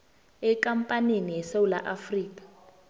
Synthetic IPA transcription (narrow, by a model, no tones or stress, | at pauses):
ɛkampʼaninijɛsawula̰ʔafriːkḁ